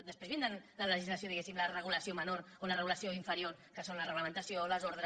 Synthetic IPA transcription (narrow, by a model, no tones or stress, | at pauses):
d̪əspezβend̪anlaləʒizlɐsjoðiɣesimlarəɣ̞ulɐsiomənoɾ | onarəɣulɐsjoiɱfəɾjoɾ | kəsonlɐrəɣləmənt̪asjoləzoɾðɾ